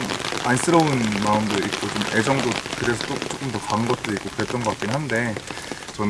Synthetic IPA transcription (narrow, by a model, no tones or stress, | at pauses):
mans͈ɯɾʌunmaɯmdoik̚k͈ot͡ɕome̞d͡ʑʌŋdokɯɾe̞sʰʌt͈ot͡ɕ͈ok͈ɯmtʌkaŋɡʌt̚t͈ɯɾik͈okɯɾe̞t͈ʌnɡʌak͈inɦande̞ | t͡ɕʌn